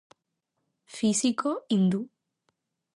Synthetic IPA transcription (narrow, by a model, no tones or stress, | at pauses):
fisikoind̪u